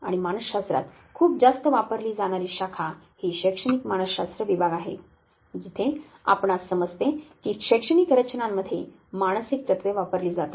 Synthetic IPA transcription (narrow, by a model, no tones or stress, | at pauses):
a̰ɽ̃imañəsɕast̪ɾa̰t̪ | kʰuːp̚d͡zast̪əʋapəɾliːd͡zaɽ̃aɾiːɕakʰa | hiːɕekʂəɽ̃ikmaɽ̃əsɕast̪ɾəʋibʱaɡaɦḛ | d͡ʑit̪ʰe | a̰pɳasəməd͡zt̪ekiːɕekʂəɽ̃ikɾət͡ɕnamːəd̪ʱːje | maɽ̃əsik̚t͡ɕət̪ʋjeʋapəɾliːd͡zat̪o̥